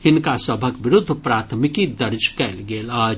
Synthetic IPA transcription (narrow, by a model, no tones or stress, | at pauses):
hɪnkasəbʱəkʋɪɾʊd̪ʱːpɾaːt̪ʰmɪkid̪ɐɾd͡ʒkɛːlɡeːlaː